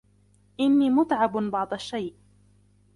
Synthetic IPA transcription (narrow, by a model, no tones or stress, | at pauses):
ʔɪnːiːmʊt̪ʕɑbbɑʕd̪ˤaʃːajʔ